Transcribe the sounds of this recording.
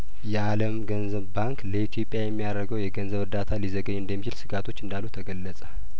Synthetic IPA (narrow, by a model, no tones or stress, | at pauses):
jɛaləmɡənzəβbaŋkləit̪ʰijo̞pʼjajɛmːijaɾəɡəwjɛɡənzəβɨɾd̪at̪ʰalizəɡəɲɨnd̪əmːit͡ʃilsɨɡat̪ʰo̞t͡ʃːɨnd̪alːut̪ʰəɡəlːəsʼə